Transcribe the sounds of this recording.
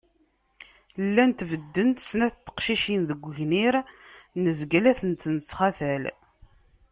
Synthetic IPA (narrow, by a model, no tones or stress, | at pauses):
lːænt̪vəd̪ːənt̪snæθt̪ːə̥qʃiʃinðəɡʷəʝniɾnəzɡælæθənt̪nət͡sːχaθæl